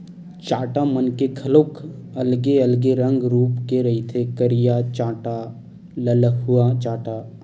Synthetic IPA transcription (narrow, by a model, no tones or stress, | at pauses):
t͡ʃaːʈamənkekʰɐloːkʰɐlɡeɐlɡeɾə̃ŋɡɾuːpkeɾɐɦit̪ʰekəɾijat͡ʃaːʈa | ləlɦʊat͡ʃaːʈaː